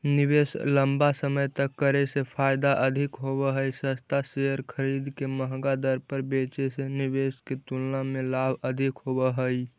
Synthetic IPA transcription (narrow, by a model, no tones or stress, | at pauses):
nibesləmbasəməjt̪əkːəɾesepʰajd̪aʔəd̪ʱikɦobəɦəjsəst̪aseəɾkʰəɾid̪keməɦɡad̪əɾpəɾbet͡ʃesenibesket̪ulnamelabʱəd̪ʱikɦobəɦəj